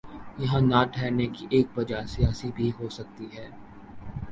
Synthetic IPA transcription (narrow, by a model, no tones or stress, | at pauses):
jɐɦãnaʈʰɛːɾnekiʔeːk̚bɐd͡ʒasijaːsibʱiɦosɐk̚t̪iɦɛː